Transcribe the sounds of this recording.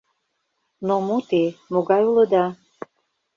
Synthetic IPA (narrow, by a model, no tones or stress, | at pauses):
nomut̪emoɡɑjulə̆d̪ɑ